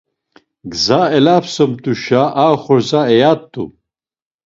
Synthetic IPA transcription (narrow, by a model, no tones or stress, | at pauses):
ɡzaːelaːpsomt̪uɕaʔaːxoɾzaejaːt̪ːṵ